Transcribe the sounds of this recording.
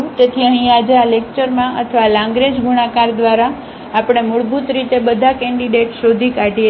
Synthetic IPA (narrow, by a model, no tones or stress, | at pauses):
t̪et̪ʰiəɦĩad͡ʒealek̚t͡ʃəɾmãʔə̰t̪ʰəʋalãŋɡɾed͡ʒɡuɽ̃akaɾd̪ʋaɾaː | pɽ̃emʊɭbut̪ɾit̪ebəd̪ʱakɛ̃ɳɖiɖeʈʃod̪ʱikaʈie